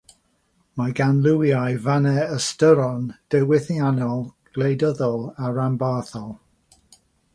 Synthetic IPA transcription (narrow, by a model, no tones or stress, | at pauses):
maɡanlˠɪwjajvanɛəstəɾɔnd̥ɛwɪθjanɔlˠɡ̥lejdəðɔlˠaɹambaθɔlˠ